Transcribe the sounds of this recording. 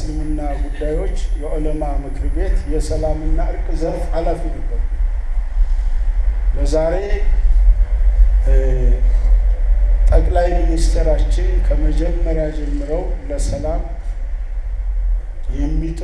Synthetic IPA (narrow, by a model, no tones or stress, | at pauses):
sɨlɨmɨnːaɡud̪ajwo̞t͡ʃːjɛʔo̞lomamɨkʰɨɾbe̞t̪jɛsəlamɨnːaɨɾkʼɨzənfhalafinəbːəɾu | bəzaɾe̞ | t̪ʼəkʼlajminist̪ʰəɾat͡ʃːɪnkʰəməd͡ʒɛmːəɾjad͡ʒɛmːɨɾəwləsəlam | jɛmːit̪ʼ